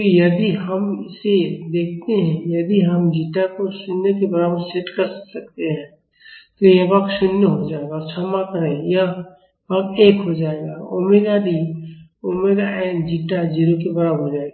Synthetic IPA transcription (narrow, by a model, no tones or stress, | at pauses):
jɐd̪iɦəmɪsed̪eːk̚ʰt̪eɦɛ̃jɐd̪iɦəmd͡ʒiʈakosʊnjək̬ebəɾabəɾseʈkəɾsək̚t̪eɦɛ̃ | t̪ojãbaksʊnjəɦod͡ʒaːeɡat͡ʃʰamakəɾẽja | baːkeːkɦod͡ʒaːeɡaomeɡad̪i | oːmeɡaẽd͡ʒiʈad͡ʒiɾokebəɾabɦod͡ʒaːeɡa